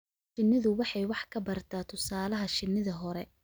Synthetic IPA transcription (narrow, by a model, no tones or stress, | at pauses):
ʃɪnːɪðʊwɑħɑjwɑħkʰɐbɐrt̪ʰaːt̪ʰʊsaːlɐɦɐʃɪnːɪðɐɦɔɾɛ